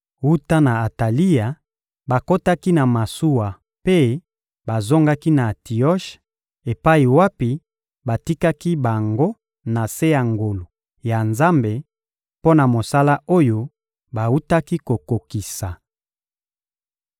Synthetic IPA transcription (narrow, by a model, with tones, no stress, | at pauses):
wu˦ta˦na˨a˨ta˨li˦a˨ | ba˨ko˦ta˦ki˦na˨ma˨su˦wa˨ | pe˦ | ba˨zo˦ŋɡa˦ki˦na˨ti˨ɔ˦ʃ | e˨pa˦i˨wa˦pi˨ | ba˨ti˦ka˦ki˦ba˨ŋɡo˦ | na˨se˦ja˨ŋɡo˨lo˨ | ja˨nza˦mbe˨ | po˦na˨mo˨sa˦la˦o˦jo˦ | ba˨wu˦ta˦ki˦ko˨ko˨ki˨sa˨